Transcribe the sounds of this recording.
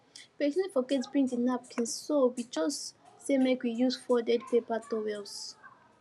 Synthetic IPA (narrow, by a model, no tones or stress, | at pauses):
pɛsɛ̃nifɔɡɛtsbɹĩŋtĩnap̚kʰɛ̃nssowid͡ʒɔssemekwijusfɔdɛdpepatɔwɛls